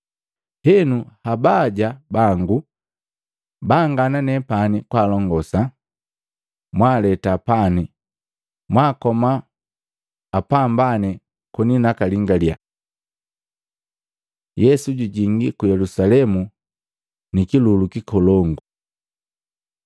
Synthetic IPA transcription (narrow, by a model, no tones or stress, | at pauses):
hɛnuhabaɟabaŋɡu | baŋɡananɛpanikwaːlɔŋɡɔsa | mwalɛtapani | mwakɔma | pambanɛ | kɔninakaliŋɡalja | jɛsuɟuɟiŋɡikujɛlusalɛmu | nikilulukikɔlɔŋɡu